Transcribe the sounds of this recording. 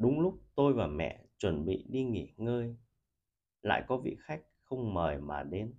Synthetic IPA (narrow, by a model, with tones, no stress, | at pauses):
ɗʊ˨˦ŋ͡mlʊ˦˥k͡p̚t̪o˧jvaː˨˩mɛ̰˧˨t͡ɕwə˧˩nɓḭ˧˨ɗi˧ŋi˧˩ŋəː˧j | la̰ː˧˨jkɔ˨˦vḭ˧˨xa˦˥jk̟̚xə˧wŋ͡mməː˨˩jmaː˨˩ɗe˨˦n